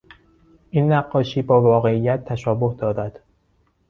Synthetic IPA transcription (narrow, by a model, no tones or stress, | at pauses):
ʔinːæɢːɒːʃiːbɒːvɒːɣe̞ijːæt̪ʰːæʃɒːbohd̪ɒːɾæd̪̥